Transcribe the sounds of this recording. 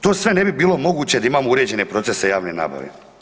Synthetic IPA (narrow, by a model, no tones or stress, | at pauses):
t̪oːsʋe̞nebibiːlo̞mo̞ɡuːt͡ɕe̞d̪aimaːmouɾed͡ʑe̞ne̞pɾo̞t̪sesejaːʋnena̰ːba̰ʋḛ